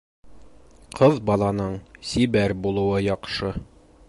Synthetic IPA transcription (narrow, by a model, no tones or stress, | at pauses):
qʰɤðbɒlˠɑnɤɴsibæɾbulˠɤ̆wɤjɒqʃɤ